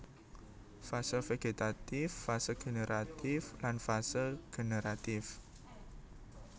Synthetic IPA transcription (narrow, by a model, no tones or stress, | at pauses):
fasəlfeɡ̥et̪at̪ɪfːasəɡ̥e̤neɾʔat̪ɪflanfasəlɡ̥eneɾat̪ɪf